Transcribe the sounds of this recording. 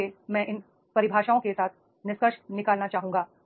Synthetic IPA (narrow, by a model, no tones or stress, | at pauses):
emɛ̃ːʔɪn | pɐɾɪbʱaːʃaːõkesaːt̪ʰ | nɪskəʃnɪkaːlnat͡ʃaːɦũːŋɡaː